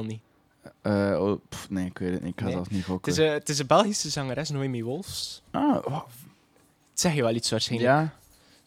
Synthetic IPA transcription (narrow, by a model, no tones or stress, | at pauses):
lˠni | əopneːɪkʋeːtətnḭɪkhɑtɔtnivoktɪsətɪsəbɛlˠɣisəzɑŋəɾɛsnoemiʋolˠfsa | tsɛxjəʋɛlˠitsʋarsxenja